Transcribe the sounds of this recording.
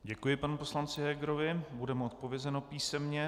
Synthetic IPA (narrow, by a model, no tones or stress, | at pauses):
ɟɛkujɪpanupo̞slant͡sɪɦɛɡɾo̞vɪbudɛmo̞t̪̚po̞vjɛzɛno̞piːsɛmɲɛ